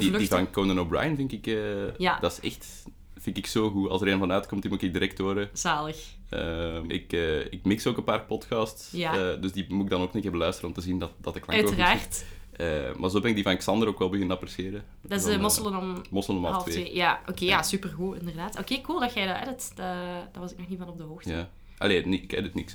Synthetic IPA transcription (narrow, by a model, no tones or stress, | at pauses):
dildivɑnkondənobra̰jənvɪŋkɪkəːjad̥ɑɪsɛxt | fɪnkɪksoːɣuɑ̰lˠsdəɾeːnvɑnœɥtkɔmtdimuɪkɪɡ̚diɾɛk̚toːɾəz̥aːləx | əɪ̰kəːɪk̚mɪksoːkəpaːrpɔtkɑstsjaədɵzdimuɪɡ̚dɑnoːknɪtɛbəlœɥstərənɔmtəzindɑtdɑtəklɑkœoəraːrttə̰ːmarzoːbɛnɪɡ̚divɑnɛksɑndəɾokʋɛlˠbəɣɪnɑpərsxeːɾə | dɑsmɔslˠənɔmmɔsələnɔmɑlltˠfeejaːʔokeːjasypərɣuɪ̰ndərdaːtokeːkulˠdɑxɛjdɑɛ̰dɑtd̥ad̥aʋɑsɪknɔxnivɑnɔb̚dəɦoːxtjaː | ʔɑ̰leːniɪkɛ̰dətnɪks